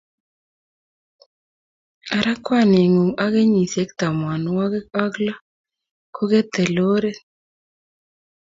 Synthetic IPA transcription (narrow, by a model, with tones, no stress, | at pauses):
a˨ɾʔa˦kwa˦˨ne˨ŋu˨ŋa˦ɡe˦ɲi˨se˦k̚t̪a˨mwa˨n˦wa˦ɡɛ˦ka˦ɡla˦ | kʰo˦ɡe˦t̪ɛ˨lo˦ɾe˦